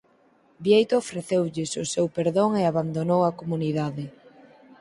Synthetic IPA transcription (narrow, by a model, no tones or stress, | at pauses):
bjejt̪oofɾeθewʎɪsʊsewpeɾðoŋeaβand̪onowɐkomuniðaðɪ